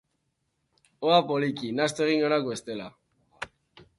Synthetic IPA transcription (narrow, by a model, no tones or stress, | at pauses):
oapo̞likinast̪oe̞ɣ̞iŋɡo̞nakbe̞st̪e̞la